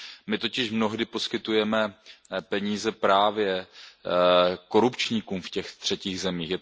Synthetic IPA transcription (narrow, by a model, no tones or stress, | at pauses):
mɪt̪o̞cɪʃmno̞ɦdɪpo̞skɪt̪ujɛmɛpɛɲiːzɛpɾaːvjɛ | ko̞ɾupt͡ʃɲikuːmfcɛxt̪r̝̥ɛciːɣzɛmiːxjɛ